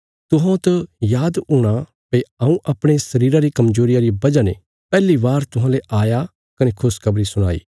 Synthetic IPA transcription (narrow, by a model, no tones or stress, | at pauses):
t̪ʊɦãt̪ɐjaːd̪ʊɽ̃a | peaːũʔɐpɽ̃esɐɾiːɾaɾikɐmd͡ʒoːɾɪjaɾibɐd͡ʒane | pɛːliʋaːɾt̪ʊɦãːleʔaːja | kɐnekʰʊskʰɐbɾisʊɽ̃a̰ːḭː